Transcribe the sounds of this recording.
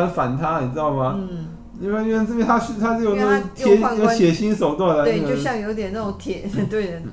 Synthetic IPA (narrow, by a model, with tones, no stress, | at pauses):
nfa˨˩nt̪ʰa˥ni˨˩ɻ̩˥ɑ˥˩ʊma˨ | i˥wi˥˧˩t͡s̩˥˩pjɛ̃˧˥nt̪ʰa˥ɕy˥˧t̪ʰa˥ʂjo˨˩˦na˥˩o˧˥t̪ʰɛ˧˥˦jo˧˥ʊt̪ʰjɛ˨˩ɕi˥nʂo˨˩ʊt̪wa˥˩la˧˥˧jo˥˧ɕjɑ˥˩ŋjo˧˥ʊt̪̬jɛ˨˩na˥˩o˧˦ŋt̪ʰjɛ˨˩˦t̪we˥˩ɪ